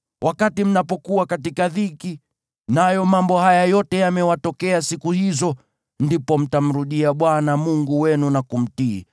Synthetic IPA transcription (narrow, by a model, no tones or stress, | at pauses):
wʔakatim̩napɔkuwakatikaðiki | najɔmambɔhajajɔtɛjamɛwatɔkɛasikuhizɔ | ndipɔm̩tam̩ɾuɗiaɓwanamuŋɡuwɛnunakum̩tiː